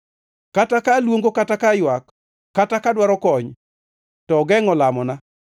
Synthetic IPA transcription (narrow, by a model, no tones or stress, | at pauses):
katakalwoŋɡokatakajwakː | atakadwaɾɔkɔɲ | tɔɡɛŋɔlamɔna